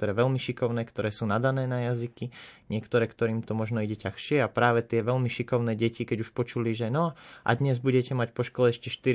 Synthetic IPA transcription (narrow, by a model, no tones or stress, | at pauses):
ɔɾɛːʋɛlmiʃikɔʊnɛːkt̪ɔɾɛːsuːnad̪anɛːnajazikiɲɪɛkt̪ɔɾɛːkt̪ɔɾiːmt̪ɔmɔʒnɔiɟɛcaxʃɪɛapɾaːʋɛt̪ɪɛʋɛlmiʃikɔʊnɛːɟɛcikɛɟuʃpɔt͡ʃuliʒɛnɔʔa̰d̪ɲɛzbuɟɛcɛmacpɔʃkɔlɛɛʃcɛʃt̪iɾ